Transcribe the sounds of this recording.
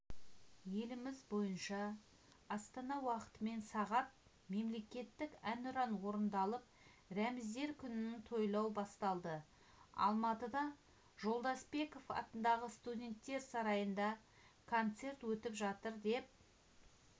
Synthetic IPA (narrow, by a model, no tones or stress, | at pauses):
je̞lɪmɪzbo̞jənʃɑ | ɑst̪ɑnɑwɑqə̥t̪əme̞nsɑʁɑt̪̚ | me̞mle̞kʲe̞t̪ːɪkænʊɾɑnwo̞ɾənd̪ɑlˠəp̚ | ɾæmɪzd̪e̞ɾkʲʰʏnɪnɪt̪ʰo̞jlˠɑwbɑst̪ɑlˠd̪ə | ɑ̰lˠmɑt̪əd̪ɑ | ʒo̞lˠd̪ɑsbe̞ko̞fɑ̰t̪ənd̪ɑʁəst̪udʲe̞nt̪ːe̞ɾsɑɾɑjənd̪ɑ | kʰo̞nt̪se̞rt̪wɵt̪ɪpʒɑt̪əɾd̪e̞p̚